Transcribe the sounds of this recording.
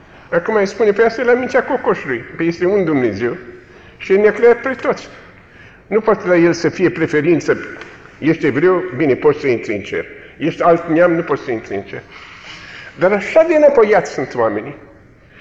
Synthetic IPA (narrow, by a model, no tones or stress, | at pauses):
akumajespunepeast̪ajelamint̪ʲako̞koʃulujpejest̪eund̪umne̞zew | ʃielneakɾeat̪̚pɾet̪ot̪sʲ | nupoat̪elajelsəfije̞pɾefe̞ɾint̪sə | jeʃt̪evɾe̞wbine̞pot̪səint̪ɾeɨnt͡ʃḛr | jeʃt̪ealt̪neamnupot̪səint̪ɾeɨnt͡ʃer | d̪aɾaʃad̪enapojat̪sʲsunt̪wameni